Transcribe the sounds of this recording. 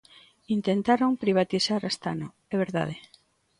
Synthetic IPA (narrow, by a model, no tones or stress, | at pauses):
int̪ent̪aɾoŋpɾiβ̞at̪isaɾast̪a̰no | ɛβeɾða̰ð̞e